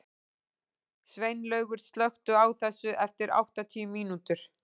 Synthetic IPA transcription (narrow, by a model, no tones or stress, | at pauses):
svejnlœːɥɣʏɾ̥st̪lœxt̪ʏawθɛsːʏʔɛft̪ɪɾa̰wht̪at̪ʰiːmiːnut̪ʏɾ̥